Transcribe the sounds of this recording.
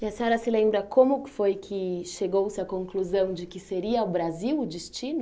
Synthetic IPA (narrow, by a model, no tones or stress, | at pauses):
iɐseɲɔɾɐsɪlẽmbɾɐkʰõmʊkɪ̥fojkʰɪʃeɡowsɪɐkõŋkluzɐ̃w̃d͡ʒɪkɪseɾiɐʊbɾaziwʊd͡ʒɪst͡ʃĩnʊ